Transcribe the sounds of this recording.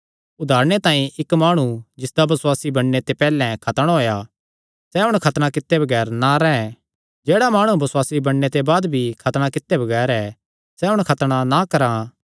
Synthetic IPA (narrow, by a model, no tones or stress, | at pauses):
ʊd̪ʱaːɾɽ̃et̪ãːĩʔɪkmaːɽ̃ud͡ʒɪsd̪abɐswaːsibɐɽːet̪epɛːlɛ̃kʰɐt̪əɽ̃ɦoːja | sɛɦʊɽ̃kʰɐt̪ɽ̃ãkɪt̪ːebɐɡɛːɾnaɾɛɛ̃ | d͡ʒeːɽamaːɽ̃ubɐswaːsibɐɽːet̪ebaːd̪bʱikʰɐt̪ɽ̃akɪt̪ːebʱɐɡɛːɾɛ | sɛɦʊɽ̃kʰɐt̪ɽ̃anakɐɾã